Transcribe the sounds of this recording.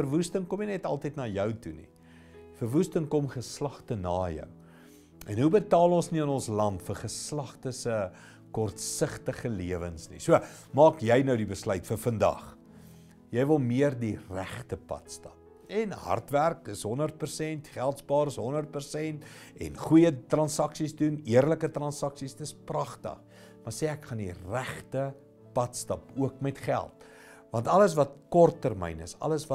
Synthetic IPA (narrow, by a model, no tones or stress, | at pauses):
fərvustəŋkɔminɛtɐlˠtəjtnɑːjœwtunḭ | fərvustəŋkɔmχəslɐχtənɑːjœ̰w | ɛnɦubətɑːlˠɔnsniənɔnslɐntfərχəslɐχtəsə | kɔrtsəχtəχəliəvənsnḭsuə | mɑːkjɛjnəwdibəslœɥtfərfəndɐ̰χ | jɛjvəlˠmiərdiræχtəpɐ̰tstɐp̚ | ɛnɦɐ̰rtværkəsɦɔnərt̚pərsɛntχælˠtsbɑːɾəsɦɔnərt̚pərsɛnt | ɛ̰nχujətrɐnsɐksisduniərləkətrɐnsɐksistəsprɐχtə̰χ | mɐrseːækχɐndiræχtə | pɐtstɐpuəkmɛtχæ̰lˠt̚ | vɐntɐləs̬vɐt̚kɔrtːərmɛ̰jnəsɐ̰ləsvɐ